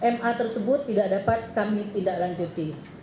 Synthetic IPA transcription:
ʔɛmʔat̪ərsəbʊt̪ːidak̚dapat̪̚kamit̪indaʔlaɲd͡ʒut̪i

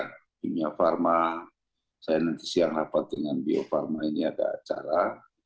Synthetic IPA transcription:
uɲiafarma | sajanənt̪i̥sijaŋdapat̪̚dəŋanbiofarmainiada̰ːt͡ʃa̰ɾa

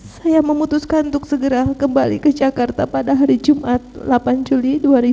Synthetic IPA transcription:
sajaməmut̪uskanunt̪ʊksəɡəɾakəmbalḭkəd͡ʒakart̪apadaɦaɾid͡ʒumʔat̪̚lapand͡ʒuliduaɾi

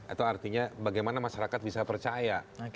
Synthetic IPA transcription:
a̰t̪awart̪iɲabaɡajmanamaʃaɾakat̪̚bisapərt͡ʃaja

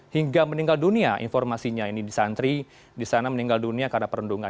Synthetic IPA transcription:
hiŋɡaməniŋɡalduniaʔḭnfɔrmasiɲainidisant̪ɾi | disanaməniŋɡalduniakarnapəɾənduŋa

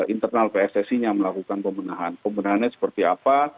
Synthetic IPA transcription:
int̪ərnalpeɛsɛsiɲaməlakukanpəmbənaɦanpəmbənaɦanɲasə̥pərt̪ia̰pa

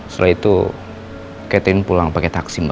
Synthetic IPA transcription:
slait̪u | kɛt̪npulaŋpakɛt̪aksimb

